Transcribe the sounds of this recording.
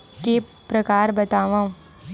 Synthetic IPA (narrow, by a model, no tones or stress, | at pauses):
kepɾəkaːɾbət̪aːʋãːũ